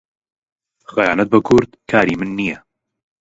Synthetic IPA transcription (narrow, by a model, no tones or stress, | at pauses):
xɐjaːnɐt̪̚bɐkʰʊɾd̪kʰaːɾiːmɨnːijɛ